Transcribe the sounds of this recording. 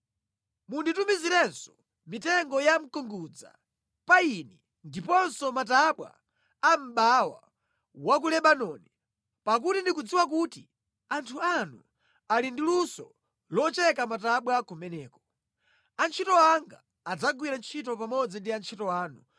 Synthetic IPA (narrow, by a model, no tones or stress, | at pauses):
munditumiziɾɛnsɔ̥ | mitɛŋɡɔjam̩kuŋɡud͡za̰ | painɛ | ndipɔnsɔmataɓwa̰ | am̩ɓawa̰ | wak̬ulɛɓanɔni | pak̬utindikud͡ziwakuti | antʰuanṵ | alindilusɔ | lɔt͡ʃɛkamataɓwakumɛnɛːkɔ̥ | ant͡ʃʰitɔaŋɡa̰ː | d͡zaɡwiɾant͡ʃʰitɔpamɔd͡zindiant͡ʃʰitɔwaːnu